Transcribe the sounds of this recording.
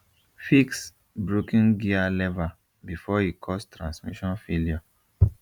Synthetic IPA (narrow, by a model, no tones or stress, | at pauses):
fiks | bɹokĩnɡialɛva | bifɔikʰɔstɹãnsmiʃɔ̃nfeljɔ